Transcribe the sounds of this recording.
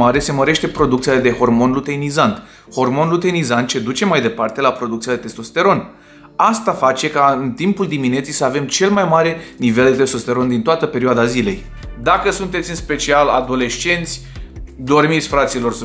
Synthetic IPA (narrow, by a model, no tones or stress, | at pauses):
aɾe̞se̞məɾe̞ʃt̪e̞pɾo̞d̪uk̚t̪sijaled̪e̞ho̞rmo̞nlut̪e̞nizant̪ | ho̞rmo̞nlut̪enizant̪t͡ʃe̞d̪ut͡ʃe̞majd̪e̞part̪e̞lapɾo̞d̪ukt̪sijad̪et̪e̞st̪o̞st̪e̞ɾo̞n | ast̪afat͡ʃe̞kaɨnt̪impuld̪imine̞t̪sijsəave̞mt͡ʃe̞lmajmaɾe̞nive̞ld̪et̪e̞st̪o̞st̪e̞ɾo̞nd̪int̪oat̪əpe̞ɾioad̪azile̞j | d̪akəsunt̪e̞t̪sʲɨnspe̞t͡ʃialad̪o̞le̞ʃt͡ʃe̞nt̪sʲd̪o̞rmit̪sʲfɾat̪silo̞rs